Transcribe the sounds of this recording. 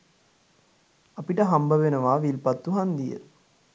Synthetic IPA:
apiʈəɦambəʋenəʋaːʋilpat̪ːuɦand̪ijə̰

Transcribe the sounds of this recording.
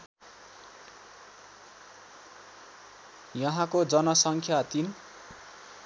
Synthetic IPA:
jʌɦãkod͡zʌnʌsʌŋkʰjat̪in

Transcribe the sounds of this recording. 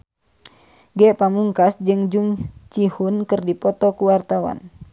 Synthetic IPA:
ɡɛpamuŋkasd͡ʒɨŋd͡ʒuŋt͡ʃihunkɨrdipɔt̪ɔkuwart̪awa̰n

